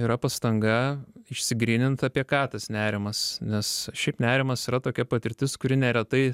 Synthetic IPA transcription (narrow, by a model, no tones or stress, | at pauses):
iːɾɐpɐst̪ɐŋɡɐɪʃʲsʲɪɡɾʲiːnʲɪnt̪ɑpʲiɛkɑːt̪ɐsnʲæːɾʲɪmɐsnʲɛsʃʲɛɪpnʲæːɾʲɪmɐsiɾɐt̪oːkʲɛpɐt̪ʲɪɾʲt̪ʲɪskʊɾʲɪnʲɛɾʲɛt̪ɐɪ